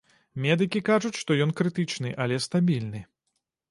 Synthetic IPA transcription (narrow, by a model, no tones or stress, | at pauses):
mʲɛd̪ɨkʲikaʐut͡sʲʂt̪ɔjɔnkɾɨt̪ɨt͡ʂnɨʔɐlʲɛst̪abʲilʲnɨ